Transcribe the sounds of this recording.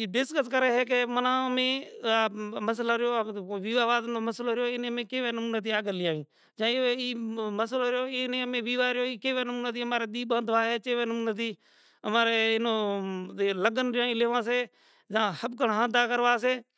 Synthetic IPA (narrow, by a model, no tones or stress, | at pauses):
ɖɪskəskəɾeːɦɛːk̬eːmənãːmẽːaməslaɾɪjoːʋiːʋaːʋaːd̪noːməsloːɾɪjoːɪnẽːmẽːkeːʋeːnəmuːnet̪iːaːɡəlɪjaːĩː | d͡ʒãːeːiːməsloːɾɪjoːenẽːmẽːʋiːʋaːɾɪjoːiːkeːʋeːnəmuːnaːt̪iːmaːɾeːɗ̪iːɓãːd̪ʋaːɦeːt͡ʃeːʋeːnəmuːnet̪iː | əmaːɾeːɪnoː | ləɡənɾɪjãːĩːleːʋãːs̬eː | d͡ʒãːhəb̚kəɳɦãːd̪aːkəɾʋaːseː